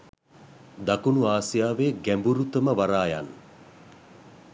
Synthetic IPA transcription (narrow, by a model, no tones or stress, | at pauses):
d̪akunuaːsijaːʋeːɡæmbuɾut̪əməʋaɾaːja̰n